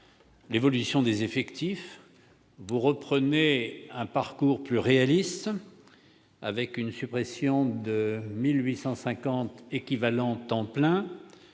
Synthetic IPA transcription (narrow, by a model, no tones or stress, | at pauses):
levɔlysjɔ̃d̪ezefɛkt̪if | vuʁəpχəneɛ̃paʁkuʁplyʁealist̪ | a̰vɛkynsypχesjɔ̃d̪əmilɥisɑ̃sɛ̃kɑ̃t̪ekʲivalɑ̃t̪ɑ̃plɛ̃